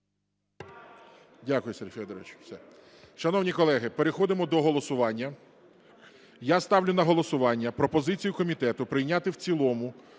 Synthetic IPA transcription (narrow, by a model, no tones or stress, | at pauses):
dʲakʊjʊsɛrfʲɛd̪ɔɾɔʋɪt͡ʃwsɛ | ʃɐnɔwnʲikɔlˠɛɦɪpeɾexɔd̪ɪmɔd̪ɔɦɔlˠɔsʊʋɑnʲːɐ | jast̪ɑwlʲʊnɐɦɔlˠɔsʊʋɑnʲːɐpɾɔpɔzɪt͡sʲijʊkɔmʲit̪ɛt̪ʊpɾɪjnʲat̪ɪwt͡sʲilˠɔmʊ